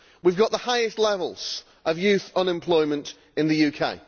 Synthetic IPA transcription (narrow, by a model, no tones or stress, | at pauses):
wivɡɒʔðəhaɪɪstˡlɛvəlˠz̥ | ʔəvjʉˑθʌ̃nɪ̃mpʰl̥ɔɪmə̃nt | ɪ̃nðəjʉːkʰeɪ